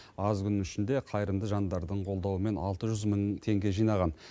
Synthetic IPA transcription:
ɑzkʲʏnʏʃɪnd̪e̞qʰɑjɾəmd̪əʒɑnd̪ɑɾd̪əɴqʰo̞lˠd̪ɑwəme̞nɑ̰lˠt̪əʒʏzməɴt̪ʰe̞ŋɡʲe̞ʒijnɑʁɑn

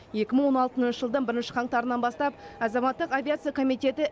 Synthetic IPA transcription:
je̞kʲɪməɴwo̞nɑlˠt̪ənnʃəʒəlˠd̪əɴbɪɾɪnʃɪ̥qʰɑɴt̪ɑɾənɑnbɑst̪ɑp̚ɑzɑmɑt̪ːəqavʲijat̪sɨijakʰo̞mijt̪e̞t̪ɪ

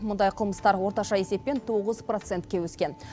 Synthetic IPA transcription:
mʊnd̪ɑjqʰəlˠməst̪ɑɾwo̞ɾt̪ɑʃɑese̞pːe̞nt̪ʰo̞ʁəzpro̞t̪se̞nt̪̚kʲe̞wɵskʲe̞n

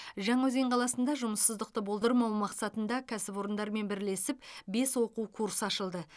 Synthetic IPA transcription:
ʒɑɴɑwɵzeɴqʰɑlˠɑsənd̪ɑʒʊməsːəzd̪əq̚t̪əbo̞lˠd̪əɾmɑwmɑqsɑt̪ənd̪ɑkʲʰæsɪpo̞ɾənd̪ɑɾme̞nbɪɾle̞sɪpbe̞swo̞quwkʰuɾsɑʃəlˠd̪ə

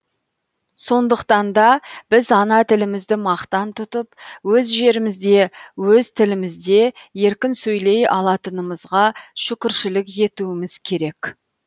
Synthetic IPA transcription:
so̞nd̪əqt̪ɑnd̪ɑb̥ɪzɑnɑt̪ʰɪlɪmɪzd̪ɪmɑqt̪ɑnt̪ʰʊt̪əpwɵzʒe̞ɾɪmɪzd̪e̞wɵzt̪ʰɪlɪmɪzd̪e̞je̞ɾkʲɪnsɵjle̞jɑ̰lˠɑt̪ənəməzʁɑʃʏkʲɪɾʃɪlɪkje̞t̪uwɪmɪz̥kʲʰe̞ɾe̞k

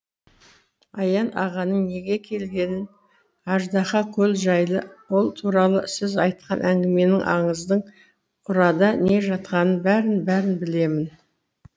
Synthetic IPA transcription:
ɑjɑnɑʁɑnəɴne̞ɡʲe̞kʲʰe̞lɡʲe̞nɪn | ɑʒd̪ɑχɑkʲʰɵlʒɑjlˠəwo̞lˠt̪ʰuɾɑlˠəsɪzɑjt̪̚qɑnʔæŋɡʲɪme̞nɪŋʔɑ̰ɴəzd̪əɴ | ʊɾɑd̪ɑne̞ʒɑt̪qɑnənbæɾɪnbæɾɪnbɪle̞mɪn

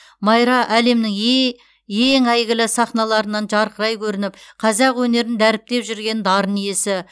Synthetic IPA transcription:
mɑjɾɑʔæle̞mnɪŋ | jeŋæjɡʲɪlɪsɑχnɑlˠɑɾənɑnʒɑɾqəɾɑjkʲʰɵɾɪnɪp̚qʰɑzɑqwɵne̞ɾɪnd̪æɾɪp̚t̪e̞pʒʏɾɡʲe̞nd̪ɑɾənije̞sɪ

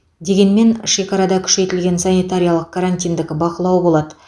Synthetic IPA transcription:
d̪e̞ɡʲe̞nme̞nʃe̞kɑɾɑd̪ɑkʲʰʏ̥ʃe̞t̪ɪlɡʲe̞nsanijt̪aɾʲijalˠəq̚kʰaɾanʲt̪ʲijnd̪ɪkʲɪbɑqəlˠɑwbo̞lˠɑd̪ə

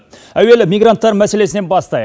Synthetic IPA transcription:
æwe̞lɪmijɡrant̪ːɑɾmæse̞le̞sɪne̞nbɑst̪ɑj

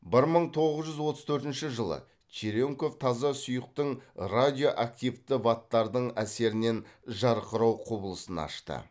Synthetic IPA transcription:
bɪɾməɴt̪ʰo̞ʁəzʒʏzwo̞t̪əz̥t̪ʰɵɾt̪ɪnʃɪʒəlˠə̰ | t͡ʃeɾoŋko̞ft̪ʰɑzɑsʊjəq̚t̪əɴrad̪ʲijo̞ʔak̚t̪ijvt̪ɪvat̪ːɑɾd̪əɴæse̞ɾɪne̞nʒɑɾqəɾɑwqʰobəlˠəsənɑ̰ʃt̪ə̰

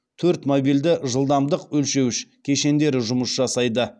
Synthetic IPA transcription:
t̪ʰɵɾt̪mobijld̪ɪʒəlˠd̪ɑmd̪əqwɵlʃe̞wɪʃkʲʰe̞ʃe̞nd̪e̞ɾɪʒʊməsʒɑsɑjd̪ə

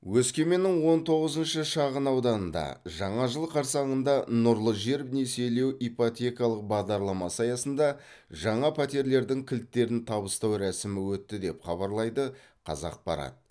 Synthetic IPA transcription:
wɵskʲe̞me̞nɪŋwo̞nt̪ʰo̞ʁəzənʃəʃɑʁənɑwd̪ɑnənd̪ɑ̰ʒɑɴɑʒəlˠqʰɑɾsɑɴənd̪ɑnʊɾlˠəʒeɾpnese̞jle̞wipot̪ʲe̞kɑlˠəq̚bɑʁd̪ɑɾlˠɑmɑsɑjɑsənd̪ɑ | ʒɑɴɑpʰɑt̪ʲe̞ɾle̞ɾd̪ɪŋkʲʰɪlt̪ːe̞ɾɪnt̪ʰɑbəst̪ɑwɾæsɪmɪwɵt̪ːɪd̪e̞pχɑβɑɾlˠɑjd̪ə | qʰɑ̰zɑ̰q̚bɑ̰ɾɑ̰t̪ə

